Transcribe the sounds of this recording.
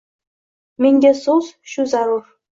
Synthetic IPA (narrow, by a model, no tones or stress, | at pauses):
mʲenʲdʲesozɕuzɑɾur